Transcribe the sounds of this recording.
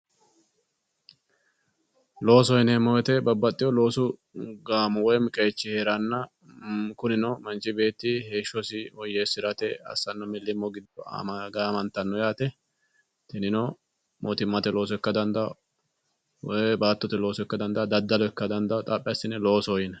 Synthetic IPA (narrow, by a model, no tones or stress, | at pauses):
lo̞ːsɔjɪnɛmːɔwɛt̪ɛbɐbːɐt̪ʼːɪjɔlo̞ːsʊ | ɡaːmɔwɔjmɪkʼet͡ʃːɪheɾɐnːɐ | kʊnɪnɔmɐnt͡ʃɪbe̞ːt̪ːɪheːʃɔsɪɔjːeːsɪɾɐt̪ɛɐ̰sːɐnːɔmɪlːɪmːɔɡɪd̪ɔ̰mɡamɐnt̪ːɐnːɔjaːt̪ɛ | t̪ɪnɪnɔ | mʔoːt̪ɪmːɐt̪ɛlo̞ːs̬ɔɛkːɐd̪ɐnd̪ɐ | wɔbaːt̪ːɔt̪ɛlo̞ːsʊɛkːɐd̪ɐnd̪ɐd̪ɐd̪ːɐlɔɛkːɐd̪ɐnd̪ɐt̪ʼaːpʼːɪjɐsɪnɛlo̞ːsɔjɪnɛ